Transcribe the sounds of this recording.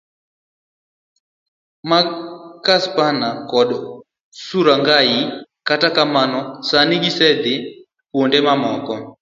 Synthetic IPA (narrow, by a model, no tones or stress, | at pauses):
makaspanakɔɗɔ | suɾaŋɡaji | katakamanɔsaniɡisɛd̪ɪ | kwondɛmamɔkɔ